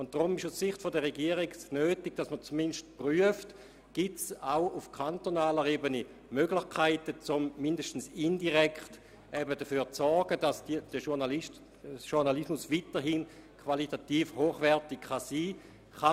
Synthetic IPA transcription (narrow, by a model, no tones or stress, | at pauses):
ʊnt̚d̥ʁʊmɪʃussiχtfodəʁeɡiəʁiɡsnøːtɪɡ̥̚d̥asmət͡suminʃt̚pryəft | ɡ̥itsaʊufkʰantonaːləɾeːbəni | møɡlɪχkʰaɪtət͡sʊmmindəʃtən̩sindiʁɛkχt | ɛbədəfyːɐt͡sɔɾɡ̥əd̥asd̥id̥əʃuʁnaliʃt | ʃuʁnalismusʋitəɦinkʰvalitatiːfhoːχʋɛɐtɪkχɑsiː | χa